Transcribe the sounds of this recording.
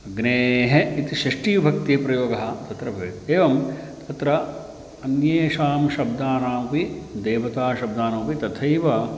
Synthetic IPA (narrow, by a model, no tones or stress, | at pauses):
ɡneːɦeit̪iʃɾɐʂʈiːbʱɐkt̪iːpɾɐjoːɡɐɦɐ̆t̪ɐt̪ɾɐbʱɐeːʋɐmt̪ʰɐt̪ɾɐ | ɐnjeːʃaːmʃɐb̚d̪aːnaːɐpid̪eːʋɐt̪aːʃɐb̚d̪aːnɐːɐpit̪ɐt̪ʰɐjʋɐ